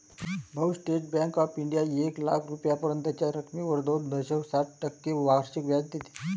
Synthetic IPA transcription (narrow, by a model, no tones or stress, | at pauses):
bʱəwsʈeʈ̚bɛ̃ŋkɔfiɳɖijaekla̰kʰɾupjapəɾənt̪jat͡ɕjaɾəkʰmiʋəɾd̪od̪d̪əɕəwsaʈ̚ʈəkːeʋaɾɕikʋjad͡zt̪it̪e̥